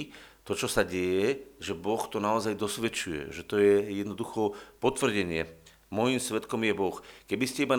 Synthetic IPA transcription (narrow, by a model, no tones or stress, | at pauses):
t̪ɔt͡ʃɔsaɟɛjɛʒɛbɔxt̪ɔnaɔzajd̪ɔsʋɛt͡ʃujɛ̰ʒɛt̪ɔjɛjɛd̪nɔd̪uxɔpɔt̪ʋr̩ɟɛɲɪɛ | mɔjimsʋɛt̪kɔmjɛbɔxkɛbiscɛiban